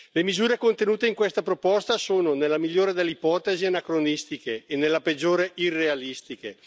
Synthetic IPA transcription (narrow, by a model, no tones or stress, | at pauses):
lemizuːɾekont̪enuːt̪eiŋkwest̪apɾopɔst̪asoːnonelːamiʎːoːɾed̪elːeipɔːt̪ezianakɾonist̪ikeːnelːaped͡ʒːoːɾeʔirːealist̪ike